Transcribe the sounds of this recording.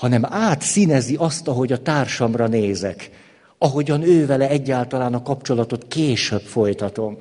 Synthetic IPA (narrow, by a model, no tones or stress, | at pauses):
hɒnɛmaːt̪sinɛziʔɒst̪ɒɦo̞ɟɒt̪aːrʃɒmrɒneːzɛk | ɒɦo̞ɟɒnøːvɛlɛɛɟːaːlt̪ɒlaːnɒkɒpt͡ʃo̞lɒt̪o̞t̪keːʃøbfo̞jt̪ɒt̪o̞m